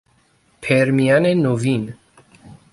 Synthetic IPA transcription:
pʰɛɾmijanɛnɔvin

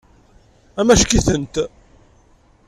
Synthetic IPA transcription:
æmæʃkiθənt̪

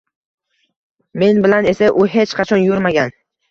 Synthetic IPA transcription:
me̞nbɪlane̞saʔʊɦe̞t͡ʃqʰɑt͡ʃʰɒnjoɾmaɡʲan

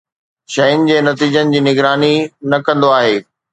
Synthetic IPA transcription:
ʃɐjʊnɪ̆d͡ʑeːnɐt̪iːd͡ʑənɪ̆d͡ʑiːnɪɡɾaːninɐkɐ̃nd̪oaːɦeː

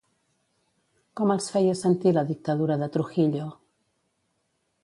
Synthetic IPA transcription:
kɔməlˠsfɛjəsənt̪iləðik̚t̪əðuɾəðət̪ɾuxiʎo

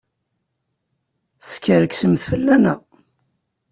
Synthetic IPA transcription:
θə̥kːəɾəksəmθfəlːænæ̰

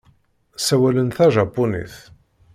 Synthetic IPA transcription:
sæwælənθæʒɑpːunḭθ

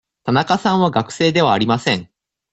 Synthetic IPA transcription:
t̪anakasãɰ̃βaɡakɯ̟̥se̞ːd̪e̞βaːɾʲimasẽ̞ŋ

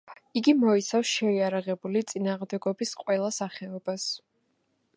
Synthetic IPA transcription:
iɡimɔit̪sʰafsʃɛiaɾaʁɛbulit̪sʼinaːʁmd̪ɛɡɔbisqʼwɛlˠasaχɛɔb̥as

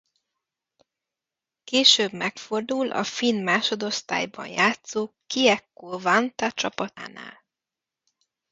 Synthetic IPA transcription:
keːʃøːbmɛkfo̞rd̪ulʔɒ̰finmaːʃo̞d̪o̞st̪a̰ːjbɒ̰njaːt̪soːkiɛkːoːvɒnt̪ɒt͡ʃɒpɒt̪a̰ːna̰ːl

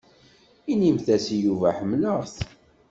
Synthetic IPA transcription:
inimθæsijuvæħəmːləʁθ

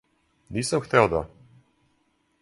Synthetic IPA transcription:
niːsamxt̪ɛod̪a

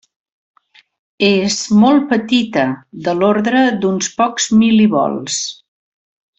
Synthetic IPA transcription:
ezmɔl̚ˠpət̪it̪əd̪əloɾðɾəd̪unspɔkzmiliβɔ̰lˠs

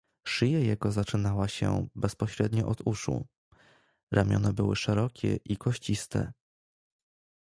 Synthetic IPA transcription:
ʂɘjajɛɡɔzat͡ʂɘnawaɕɛ̰bɛspɔɕɾɛd̪ɲɔʔɔd̪uʂṵ | ɾʔamʲjɔ̰nɛbɘwɘʂɛɾɔkʲɛ̰ʔikʰɔɕt͡ɕist̪ɛ̰

